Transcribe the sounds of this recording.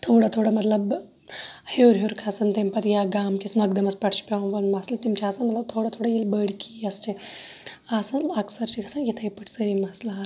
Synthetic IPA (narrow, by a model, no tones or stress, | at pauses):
t̪ʰoːɽat̪ʰoːɽamɐt̪lɐb | heːɾɦuɾkʰasɐnt̪ɐmpɐt̪jaːɡaːmkismɐɡd̪ɐmɐspɐʈʰt͡ʃʰpʲɐʋʋɐnmɐslɐt̪imt͡ʃʰaːsɐnmɐt̪lɐb̚t̪ʰoːɽat̪ʰoːɽajilbəːɽʲkʰiɐst͡ʃʰi | aːsɐnlɐksɐɾt͡ʃʰikʰɐsɐnjit̪ʰɐjpɐʈʰsəɾimɐsla